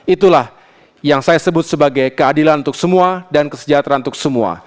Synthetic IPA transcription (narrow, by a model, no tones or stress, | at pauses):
it̪ulah | jaŋsajasəbʊt̪̚səbaɡajkəadilanunt̪ʊk̚səmuadankəsəd͡ʒat̪ɾant̪ʊ̥k̚səmua̰